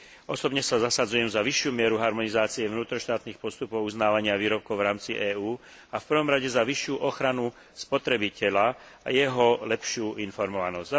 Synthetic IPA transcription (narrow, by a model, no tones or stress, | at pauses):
ʔɔsɔbɲɛsazasad͡zujɛmzaʋiʃːjuːmɪɛɾuɦaɾmɔnizaːt͡siɛvnuːt̪ɾɔʃt̪aːt̪niːxpɔst̪upɔʊuznaːʋaɲɪaʋiːɾɔp̚kɔʊvɾaːmt͡siʔɛːuː | afpr̩ʋɔmɾaɟɛzaʋiʃːjuʔɔxɾanu | spɔt̪ɾɛbicɛʎa | a̰jɛɦɔlɛpʃɪuːʔinfɔɾmɔʋanɔzza